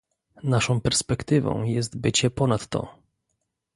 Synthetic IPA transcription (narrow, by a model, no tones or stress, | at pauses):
naʂɔ̃w̃pɛɾspɛkt̪ɘvɔ̰̃w̃jɛst̪bɘt͡ɕɛpɔnat̪ːɔ̰